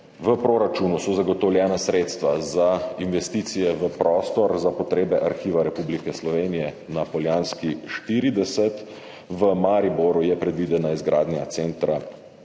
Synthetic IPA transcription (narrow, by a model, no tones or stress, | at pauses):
ʋəpɾoːɾat͡ʃunusɔzaɡɔt̪ɔwljɛːnasɾeːt̪st̪ʋazainʋɛst̪iːt̪sijɛʋəpɾʔɔːst̪ɔɾzapɔt̪ɾeːbɛʔaɾxiːʋaɾɛpublikɛslɔʋeːnijɛ | napɔljaːnskiʃt̪iːɾid̪ɛsɛt̪ | ʋəmaɾiboɾujɛpɾɛd̪ʋid̪ɛnaizɡɾaːd̪nʲjat̪seːnt̪ɾa